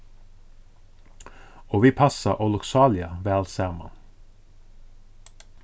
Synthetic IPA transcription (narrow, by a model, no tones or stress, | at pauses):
oːʋiːpʰɑsɑʔɔlʊksɑːlɪɑʋɛːɑlsæːʁmɑ̰n